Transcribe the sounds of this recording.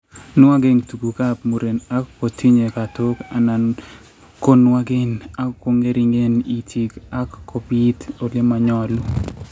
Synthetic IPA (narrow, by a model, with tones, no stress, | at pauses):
n˦wa˦ɡɪ˦ŋtu˨ɡu˨ka˦pmu˨ɾe˨na˦kːo˨tʰi˦ɲe˨ka˨to˦ka˨na˨n | ko˦nwa˦ɡɪ˦na˦kːo˦ŋe˦ɾi˦ŋe˦ni˨tʰi˨ka˦kːo˨bi˦to˨lɪ˦ma˨ɲɔ˦l